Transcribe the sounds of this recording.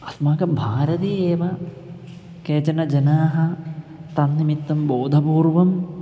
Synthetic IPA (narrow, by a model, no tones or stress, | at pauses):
ɐsmaːkɐbʱaːɾɐt̪̬ieːʋɐ | keːt͡ʃɐnɐd͡ʒɐnaːɦɐt̪ɐnːimit̪ːɐmboːd̪ʱɐpuːɾʋɐm